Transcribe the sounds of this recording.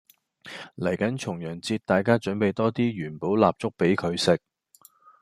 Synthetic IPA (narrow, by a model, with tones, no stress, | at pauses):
lɐ˨˩jkɐ˨˥nt͡ʃʰʊ˨˩ŋjœː˨˩ŋt͡siː˧t̚t̪aː˨jkaː˥t͡ʃɵ˨˥npe˨˧jt̪ɔː˥t̪iː˥ɥyː˨˩npo˨˥wlaː˨p̚t͡ʃʊ˥k̚pe˨˥jkʰɵ˨˧ɥsɪ˨k̚